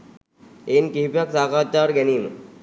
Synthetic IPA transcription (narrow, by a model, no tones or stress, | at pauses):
enkiɦpaksaːkat͡ʃːaɾɡɛnin